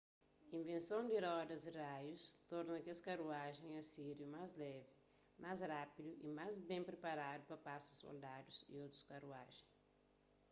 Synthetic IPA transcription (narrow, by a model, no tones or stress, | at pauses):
ĩvẽnsõw̃d̪ɪɾɔd̪ɐzirajust̪ɔɾnɐkiɐskaɾuaʒẽj̃ɐsiɾjumajzlɛvɪ | mazɾapid̪uʔimajzbẽpɾepaɾad̪upɐpasɐsːo̰ld̪ad̪uzḭowt̪ɾu̥skɐruaʒẽj̃